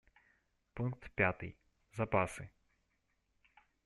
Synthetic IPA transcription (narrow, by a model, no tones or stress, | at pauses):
punk̚t̪pʲjat̪ɪ̰j | zɐpasɪ